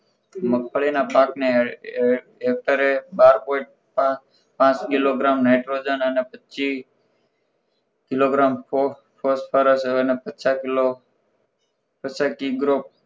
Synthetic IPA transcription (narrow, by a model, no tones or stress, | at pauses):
məkʰfəɭinapakne | ɦek̚ʈəɾebaɾpoiʈ̚ | pa | pãt͡ʃkiloɡɾamnajʈɾod͡ʒənənepət͡ʃi | kɪloɡɾamp | pospʰəɾəsənepət͡ʃako | pət͡ʃakiɡɾop̚